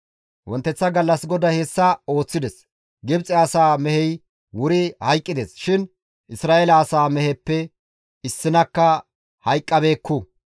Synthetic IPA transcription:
wʔɔnt̪ːɛt͡sːɐɡɐlːɐsɡɔd̪ɐhesːɐo̞ːt͡sːɪd̪ɛs | ɡɪbt͡sʼɪɐsaːmɛhɛj | wʊɾɪhɐjkʼːɪd̪esʃɪn | ʔɪsɾaːʔelɐːsaːmɛhɛpːɛ | ɪsːɪnɐkːɐ | hɐjkʼːɐbe̞ːkːu

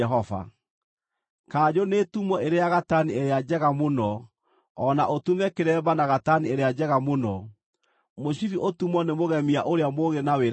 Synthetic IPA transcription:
ɛɦɔva̰ | kaːd͡ʑonetumɔeɾejaɣatanieɾead͡ʒɛɣamonɔː | naʔotumɛkeɾɛbanaɣatanieɾead͡ʑɛɣamonɔ | moɕiɾiʔotumɔnemoɣɛmiaʔoɾeamoɣenaweɾ

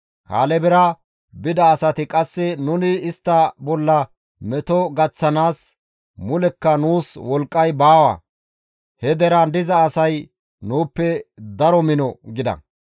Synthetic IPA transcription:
ha̰ːlɛbɛɾɐ | bɪd̪ɐːsɐt̪ɪkʼɐsːɛnʊnɪːst̪ːɐbɔlːɐ | mɛt̪ɔɡɐt͡sːɐnaːs | mʊlɛkːɐnuːswɔlkʼːɐjbaːwɐ̰ | hɛd̪ɛɾɐnd̪ɪzɐːsɐj | nuːpːɛd̪ɐɾɔmɪnɔɡɪd̪ɐ̰

